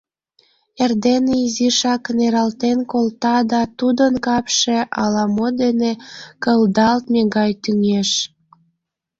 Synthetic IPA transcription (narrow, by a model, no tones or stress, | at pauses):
erd̪eneiziʃɑkneɾɑlt̪enkolt̪ɑd̪ɑt̪ud̪ənkɑpʃeʔɑlɑmod̪enekəld̪ɑlt̪̚meɡɑjt̪yŋeʃ